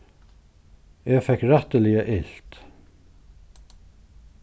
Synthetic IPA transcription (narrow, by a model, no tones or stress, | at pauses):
ɛːfɛhkɾɛht̪əlɪəʔɪlt̪